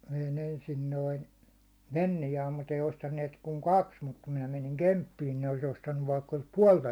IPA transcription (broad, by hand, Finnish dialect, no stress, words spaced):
ʋein ensin noin̞ ʋenːijɑːm mut ei ostɑnːiet kuŋ kɑks mut kum minæ meniŋ kempːiːn ne olis ostɑnːuʋ ʋɑikːɑ olis puɒltɑ